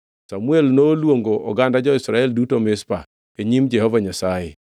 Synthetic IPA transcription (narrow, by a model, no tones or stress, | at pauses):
samuelnoːlwoŋɡoʔɔ̰ɡandad͡ʒɔɪsɾaɛldutomɪspa̰ | eɲimd͡ʒɛhɔvaɲasajɪ̰